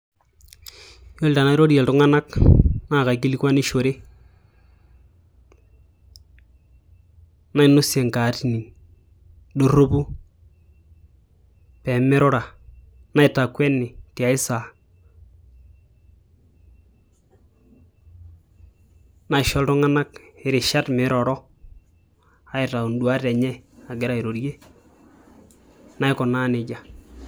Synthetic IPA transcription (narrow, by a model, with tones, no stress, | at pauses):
jo˦lta˨na˦ɾo˦di˦ɛ˨ltʊ˦ŋa˦na˦kna˦˨ka˨k̬i˦li˦kwa˦ni˦ʃo˨ɾe˦ | na˦ɪ˦nʊ˦sɛ˨ŋka˨tni˨ | do˦ro˦pu˦ | pɛ˨mɪ˦ɾɔ˦ɾa˨ | na˦ɪ˨ta˨kwɛ˦nːɪ˨ti˨a˨ɪ˦sa˨ | na˦ɪ˨ʃɔ˦ltɔ˦ŋa˦na˦kɪ˨ɾɪ˨ʃa˦tmɪ˨˦ɾɔ˨ɾɔ˦ | a˦ɪ˨ta˨u˨n˦du˨a˦tɛ˨ɲɛ˦a˨ɡɪ˦ɾa˨i˨ɾo˨ɾje˦ | na˦ɪ˦kɔ˨na˦nɪ˨d͡ʒa˨